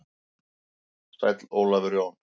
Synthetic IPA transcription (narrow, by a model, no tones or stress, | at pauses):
st̪a̰jt̪loːlavʏɾjown